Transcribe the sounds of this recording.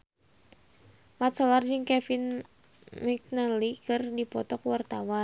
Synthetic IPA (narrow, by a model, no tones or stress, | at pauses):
mat̪̚sɔlard͡ʒɨŋkɛfin | mɛk̚nalikɨrdipɔt̪ɔkwart̪awa